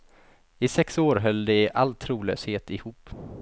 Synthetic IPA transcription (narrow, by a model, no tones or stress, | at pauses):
ɪsɛksoːɾɦœlːd̪ɛʔalt̪ʰɾuːlø̰ːsheːt̪ɪhuːp